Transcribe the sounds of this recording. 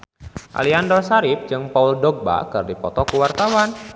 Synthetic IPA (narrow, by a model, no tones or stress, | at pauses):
ʔa̰liandɔrsaɾɪp̚d͡ʒɨŋpauldɔɡ̚ba̰kɨrdipɔt̪ɔkuwart̪awan